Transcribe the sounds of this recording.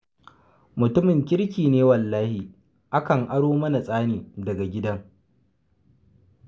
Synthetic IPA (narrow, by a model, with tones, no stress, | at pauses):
mʊ˨tʊ˦mɪ˨ŋkʲɪ˦ɾkʲiː˨neː˦wɐ˨lːaː˦hi˨ | ʔa˦kɐ˨ŋʔa˦ɽoː˦mɐ˦na˨sʼaː˦niː˨dɐ˨ɡa˨ɡʲɪ˦dɐ˦ŋ